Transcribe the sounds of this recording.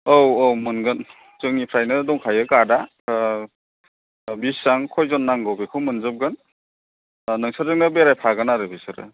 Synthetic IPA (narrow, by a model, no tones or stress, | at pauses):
owowmɯnɡɯn | t͡ʃɯŋnipʰɾajnɯdɔŋkʰajɯkada | bisːaŋkʰɔjzɔnːaŋɡɯwbekʰɯwmɯnzɯp̚ɡɯn | nɯŋsʰaɾɯŋnɯbeɾajpʰaɡɯnaɾɯbisɯɾɯ̰